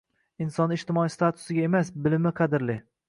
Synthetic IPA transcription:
ɪnsɒnɪʃt̪ɪmɒist̪at̪ʰʊ̥sɪɡʲae̞masbɪlɪmɪqʰɑd̪ɪɾlɪ

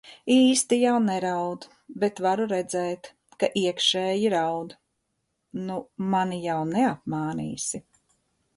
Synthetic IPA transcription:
iːst̪ijawnɛɾawd̪ | bet̪vaɾuɾɛd̪zɛːt̪ | kaʔiɛkʃɛːjiɾawd̪ | numanijawnɛap̚maːnḭːsi

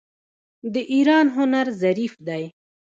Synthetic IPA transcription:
d̪əʔiɾɑnɦʊnaɾzaɾifd̪aj

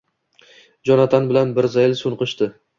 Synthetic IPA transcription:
d͡ʒɒnat̪ʰanbɪlanbɪɾzajlsʊnqɨʃt̪ɪ

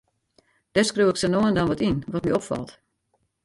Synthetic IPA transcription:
d̥ɛrskruwɪksɛnoːəndanʋɔtinʋɔtmiɔpfɑ̰lˠt

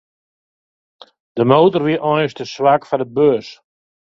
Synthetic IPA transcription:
d̥əmoːtərʋiʔɔjstəswakfanəbøːs

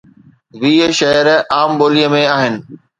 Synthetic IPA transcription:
ʋiːʃɐɦəɾaːmɓoːliəmẽaːɦɪnɪ̆

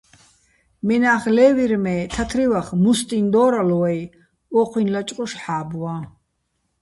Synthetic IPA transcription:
mɛnaːχlɛːviɾmɛːt̪ʰat̪ʰɾivaχmust̪ʼind̪ɔːɾalɔwaj | ɔqʰwinlat͡ʃʼqʼɔʃħaːbwa

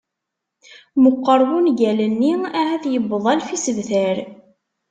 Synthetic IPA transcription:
məqːəɾˤwunɡælənːiæhæθjəbəðˤælfisəvθæɾ

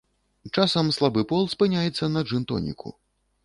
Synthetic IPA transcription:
t͡ʂasɐmslˠabɨpɔlˠspɨnʲajɛt̪sːɐnɐʐɨnt̪ɔ̰nʲḭkʰṵ

